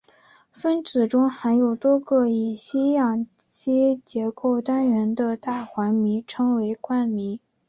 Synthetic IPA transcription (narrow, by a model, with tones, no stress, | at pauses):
fə˥nt͡sɹ̩˨˩ʈ͡ʂʊ˥ŋxa˧˥ɪjo˨˩ʊt̪wɔ˥ɡɤ˥˧i˨˩ɕi˥jɑ˨˩ŋ | t͡ɕi˥t͡ɕjɛ˧˥ko˥˩ʊt̪a˥nɥɛ˧˥nd̪ə˧t̪a˥˩xwa˧˥nmi˧˥ʈ͡ʂʰɤ˥ŋwe˧˥ɪkwa˥˩nmi˧˥